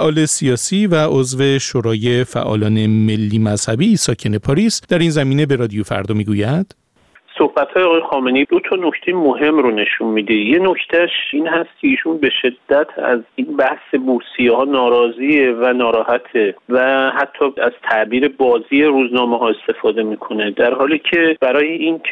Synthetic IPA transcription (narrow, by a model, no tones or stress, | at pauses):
ʔɒːle̞siɒːsiːvæʔozve̞ʃoɾɒːje̞fæ̰ʔɒ̰ːlɒːne̞me̞lːiːmæz̥hæbisɒːcʰe̞ne̞pʰɒːɾisd̪̥æɾiːnzæmiːne̞be̞ɾɒd̪ijofæ̰ɾd̪ɒːmiːɡujæd̪̥ | so̞hbæt̪ʰhɒːjeɒːɣɒjexɒːmeneid̪ot̪ʰɒno̞cʰt̪ʰe̞jemoɦe̞mɾone̞ʃunmiːd̪eje̞nocʰt̪ʰæʃiːnhæst̪̚cʰe̞iːʃunbe̞ʃe̞d̪ːæt̪ʰæ̰zinbæhse̞busijehɒːnɒːɾɒːziːevænɒːɾɒːhæt̪ʰevæhæt̪ʰːɒːæz̥t̪ʰæʔbiːɾe̞bɒːziːeɾuznɒːmeɦɒːe̞st̪e̞fɒːd̪e̞miːkʰo̞ne̞d̪æɾhɒːliːcʰeb̥æɾɒːjeʔinʰ